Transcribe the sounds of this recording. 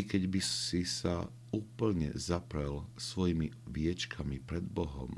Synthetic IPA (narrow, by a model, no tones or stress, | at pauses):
kɛɟbisisa | uːpl̩ɲɛ̰zapɾɛlsʋɔjimiʋɪɛt͡ʃkʰamipɾɛd̪bɔɦɔ̰m